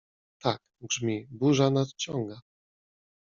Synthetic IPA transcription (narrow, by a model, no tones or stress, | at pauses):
t̪ak | ɡʐmʲibuʐanat̪t͡ɕɔŋɡa